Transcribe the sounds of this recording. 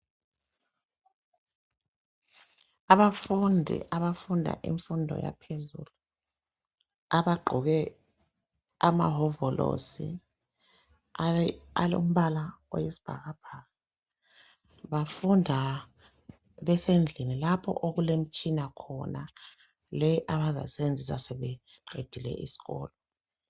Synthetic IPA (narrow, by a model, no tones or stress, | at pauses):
aβafundʱḭʔaβafundʱa̰ʔḭɱfundʱɔ̰ja̰pʰezṵːlu | aβaɡ͡ǃʱuɣɛ | ama̰ɦɔvɔlo̰sḭ | aa̰lo̰m̩βalao̰jesi̥b̥ʱa̰ɣab̥ʱaːɣa | βafundʱa | βɛsend͡ɮʱinilapʰɔ̰ʔoɣulem̩t͡ʃʼinakʰɔna | lɛʔaβaza̰sɛβend͡zʱisasɛβɛ | ǃed̥ʱilɛ̰ʔḭsi̥ɣɔ̰ːlɔ